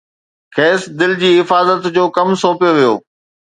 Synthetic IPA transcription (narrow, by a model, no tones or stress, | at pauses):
kʰɛːsd̪ɪld͡ʑiːɦɪfaːzət̪d͡ʑoːkɐmsoːpijoʋijo̰ː